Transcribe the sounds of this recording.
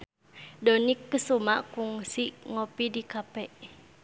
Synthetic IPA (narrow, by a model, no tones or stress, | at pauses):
dɔnikːəsumaʔkuŋsiʔŋopidikapɛʔ